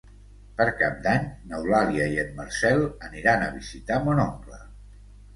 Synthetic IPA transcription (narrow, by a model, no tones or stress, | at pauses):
pəɾkap̚d̪aɲnəwlaliəiət̪̚məɾsɛlˠəniɾanəβ̞izit̪amonoŋɡlə̰